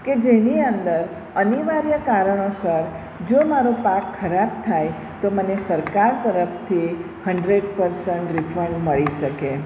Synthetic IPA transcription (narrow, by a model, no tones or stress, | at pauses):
ked͡ʒeniənd̪əɾ | əniʋaɾjəkaɾəɳ̃osəɾ | d͡ʒomaɾopakʰːəɾab̚t̪ʰaj | t̪omənesəɾkaɾt̪əɾəpt̪ʰi | həɳɖɾeɖpəɾsəɳʈɾɪfʰəɳməɭiʃəke